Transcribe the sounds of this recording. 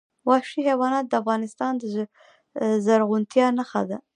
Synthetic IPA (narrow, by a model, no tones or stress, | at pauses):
wɑʃihewɑnɑt̪̚d̪əafɣɑnɪst̪ɑnd̪ə | zaɾɣunt̪jɑnaxad̪a